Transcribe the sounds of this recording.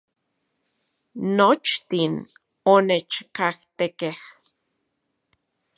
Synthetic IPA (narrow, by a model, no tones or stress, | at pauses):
not͡ʃt̪in | onet͡ʃkaht̪ekeh